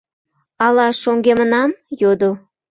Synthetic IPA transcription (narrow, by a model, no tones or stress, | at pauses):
ɑlɑʃoŋɡemənɑmjod̪o